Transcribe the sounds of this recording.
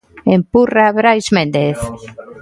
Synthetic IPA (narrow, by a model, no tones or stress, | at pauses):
empuraβɾajzmẽnd̪eθ